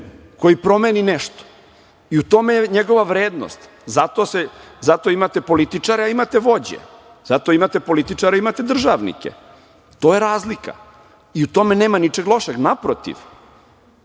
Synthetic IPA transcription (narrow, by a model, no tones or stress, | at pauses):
ko̞jipɾo̞meninɛʃt̪o̥ | iut̪o̞mejeɲeɡo̞ʋaʋɾeːd̪no̰st̪ | zat̪o̞sezat̪o̞imat̪e̞po̞lit̪it͡ʂaɾeaimat̪eʋo̞d͡ʑḛ | z̥at̪o̞imat̪e̞po̞lit̪it͡ʂaɾeimat̪ed̪r̩ʒaʋnḭkḛ | t̪o̞jeɾaːzlika̰ | iut̪o̞meneːmanit͡ʂe̞ɡlˠo̞ʃeɡnapɾot̪ḭʋ